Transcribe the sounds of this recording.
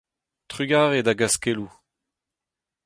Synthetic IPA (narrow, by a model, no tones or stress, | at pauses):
t̪ʁyɡaːʁedaɡaskelu